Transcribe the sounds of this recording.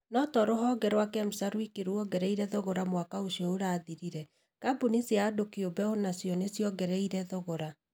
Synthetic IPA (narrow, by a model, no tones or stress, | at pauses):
nɔtɔɾoɦɔɡɛɾwakɛmusaɾwikeɾuɔɡɛɾɛiɾɛðoɣoɾamwakaosiɔoɾaːðiɾiɾɛ | kabuniseadokeobɛonasjɔnesjɔɡɛɾɛiɾɛðoɣoɾa